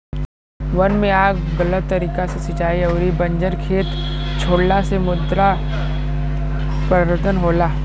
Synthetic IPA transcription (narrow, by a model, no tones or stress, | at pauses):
ʋɐnmẽaːɡɡɐlət̪ːɐɾiːkasesɪt͡ʃaːiɐːɾibɐ̃ɲd͡ʒəɾkʰeːt̪t͡ʃʰoːɽlasemʊd̪ɾa | pɾɐɾət̪ʰənɦoːlaː